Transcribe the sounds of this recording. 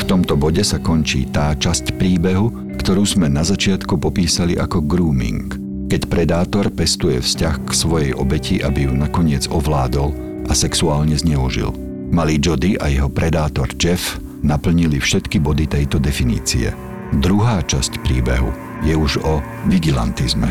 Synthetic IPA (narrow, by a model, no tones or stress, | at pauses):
ft̪ɔmt̪ɔbɔɟɛsakɔnt͡ʃḭːt̪aːt͡ʃascpɾiːbɛɦu | kt̪ɔɾuːzmɛnazat͡ʃɪat̪kupɔpiːsaliʔa̰kɔɡɾuːmḭŋk | kɛcpɾɛd̪aːt̪ɔɾpɛst̪ujɛfscaxksʋɔjɛjʔɔbɛcʰiʔabijunakɔɲɪɛd͡zɔʋlaːd̪ɔl | ʔasɛksuaːlɲɛzɲɛuʒḭl | malid͡ʒɔd̪iʔa̰jɛɦɔpɾɛd̪aːt̪ɔɾd͡ʒɛf | napl̩ɲilifʃɛt̪kibɔd̪it̪ɛjt̪ɔd̪ɛfinḭːt͡sḭɛ̰ | d̪ɾuɦaːt͡ʃascpɾiːbɛɦṵ | jɛuʒɔ | ʋiɡila̰nt̪izmɛ